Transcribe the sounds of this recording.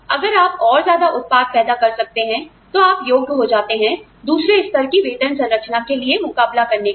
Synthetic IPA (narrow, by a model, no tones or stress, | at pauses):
ɐɡəɾaːpɔːɾzjaːd̪aʔʊt̪̚paːt̪̚pɛːd̪akɐɾsɐk̚t̪eɦɛ̃ | t̪oaːpjoːɡ̪̚ɦod͡ʒaːt̪eɦɛ̃ | d̪uːsɾeɪst̪ɐɾkiʋeːt̪ənsɐ̃nɾɐk̚t͡ʃnakeliemʊkaːblakɐɾne